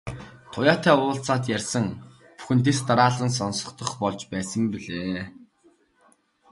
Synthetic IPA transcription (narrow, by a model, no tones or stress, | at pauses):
t̪ʰʊjaːt̪ʰæːʊːɬt͡saːt̪jærʲsə̆ŋ | pu̥xɘ̆nt̪̬est̪aɾaːɮə̆ns̬ɔnsɞ̥̆t̪ɞ̆χpɔɮt͡ɕpæːsə̆mpiɮeː